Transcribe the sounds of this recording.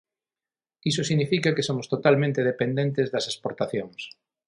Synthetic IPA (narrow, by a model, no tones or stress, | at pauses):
isosiɣnifikakesomost̪ot̪almẽnt̪eðepend̪ẽnt̪ezðɐsespoɾt̪aθjoŋs